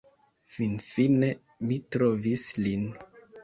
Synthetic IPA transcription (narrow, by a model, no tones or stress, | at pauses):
finfine̞ | mitɾovislin